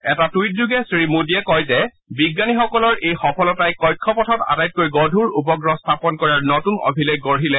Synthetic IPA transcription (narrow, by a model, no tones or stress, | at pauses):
ɛtatujt̚zuɡɛsɹimudiɛkɔjzɛ | biɡːanixɔkɔlɔɹʔejxɔpʰɔlɔtajkɔjkʰːɔpɔtʰɔta̰tajt̚kojɡɔdʱuɹupɔɡɹɔstʰapɔnkɔɹaɹnɔtunɔ̰bʱileɡɔɹɦilɛ